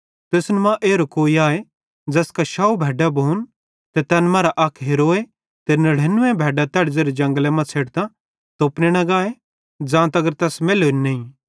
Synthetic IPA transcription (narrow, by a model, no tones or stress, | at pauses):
t̪esnmãʔeːɾokoːiaːe | d͡zɛːskaʃaːubʱɛːɖabʱoːn | t̪et̪ɛːnmãːɾaʔɐkʰɦeɾoːe | t̪enɐɽ̤eːnʊẽbʱɛːɖat̪ɛːɽd͡zeːɾed͡ʒɐ̃ŋɡlɛmãt͡sʰeːɽt̪ã | t̪oːpneñɐ̃ɡaːe | d͡zãːt̪ɐɡəɾt̪ɛːsmeːloːnneĩ